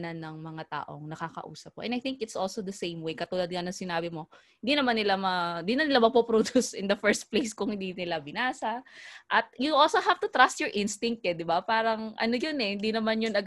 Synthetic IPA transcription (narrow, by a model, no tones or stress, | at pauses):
nanːɐŋmɐŋat̪a̰ːʔo̰ŋnɐkakɐ̰ʔṵːsɐp̚ko̰ʔɛ̰̃nɐjθɪŋkɪt̪sʔolsod̪ɐsẽjmwejkɐt̪uːlɐd̪̚ŋɐnɐŋsɪnaːbɪmo̞hɪnd̪inɐmanːɪlamɐɪnd̪inmanɪlamɐɡ̚popɾod̪usɪnd̪ɐfɛɹst̪̚plejskʊŋhɪ̃nd̪inɪlabɪnaːsɐʔɐt̪̚juʔolsoɦaft̪ʊt̪ɾast̪jɔɹʔɪnst̪ɪŋk̚t̪̚ɛd̪ɪbapaːɾɐŋʔɐ̰nojonɛhɪnd̪inɐmanjʊnɐɡ